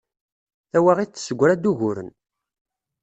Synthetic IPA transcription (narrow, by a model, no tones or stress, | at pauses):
æwæʁit͡sːsəɡʷːɾæd̪uʝʊɾə̰n